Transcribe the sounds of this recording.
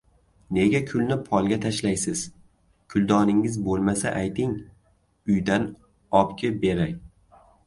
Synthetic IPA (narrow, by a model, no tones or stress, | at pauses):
ne̞ɡʲakʲʰʊlnɪpʰɒlˠɡʲat̪ʰaʃlajsɪz̥ | kʰʊlˠd̪ɒnɪŋɪzbolˠmasa̰ʔajt̪ɪŋ | ʊjd̪an | ɒpkʲɪbe̞ɾaj